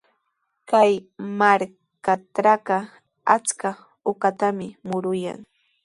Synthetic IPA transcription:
kajmaɾ | katɾaka | a̰t͡ska | ʊkat̪amɪmʊɾʊja̰ŋ

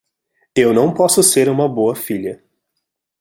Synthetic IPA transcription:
ewnɐ̃w̃pɔsʊseɾũmɐboɐfiʎɐ

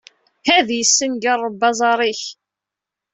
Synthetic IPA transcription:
hæðjəsːənɡərˤːbːɑzˤɑɾˤiç

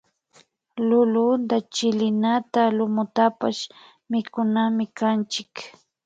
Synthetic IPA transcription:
lʊlʊnd̪at͡ʃɪlɪnat̪alʊmʊt̪apa̰ʃ | mɪkʊnamɪkant͡ʃɪk

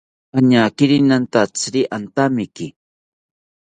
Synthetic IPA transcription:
aɲakɪɾinant̪at͡sɾiʔant̪amɪkɪ

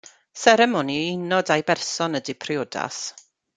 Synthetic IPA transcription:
sɛɾɛmɔniɪnɔdajbɛrsɔnədipʰrjoda̰s

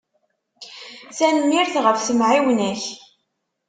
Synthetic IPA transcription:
sænmːiɾθʁəfsəmʕiwnæç

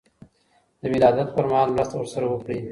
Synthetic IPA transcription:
d̪̥əwɪlɑd̪at̪̚pəɾmahɑlmɾast̪awəɾsaɾawəpɽi

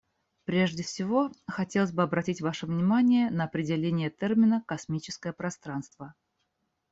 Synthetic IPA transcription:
pɾʲeʐdʲɪfsʲɪvo̞xɐtʲelˠəsʲbɨɐbɾɐtʲitʲvaʂəvnʲɪmanʲɪjənəɐpɾʲɪdʲɪlʲenʲɪjət̪ɛrmʲɪnəkɐsmʲit͡ɕɪ̥skəjəpɾɐst̪ɾan̪st̪v̥ə

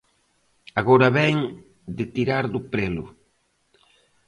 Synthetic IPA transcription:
aɣoɾɐβɛŋ | d̪ɪt̪iɾaɾðʊpɾelʊ̰

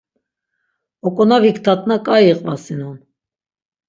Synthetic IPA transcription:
ɔkʼɔnɑvikt̪ʰɑt̪̚ʼnakʼajiqʼvɑsinun

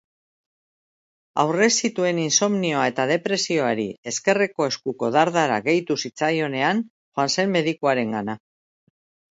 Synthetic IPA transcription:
a̰wre̞sit̪ue̞ninso̞mnio̞ae̞t̪að̞e̞pɾe̞sio̞aɾḭe̞ske̞reko̞e̞skuko̞ðaɾðaɾa̰ɣe̞jt̪usit͡sajo̞ne̞an | xoanse̞nme̞ðikuaɾe̞ŋɡana

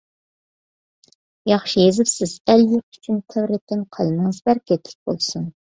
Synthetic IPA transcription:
jɑχʃijezɪpsɪz̥æljik̚y̥t͡ʃʰynt̪ʰɛwɾɛt̪ʲʰːɪnqʰɑlˠɨnɨŋɨzbæɾkʲʰet̪ʰɪ̥k̚ʲbo̰lˠsun

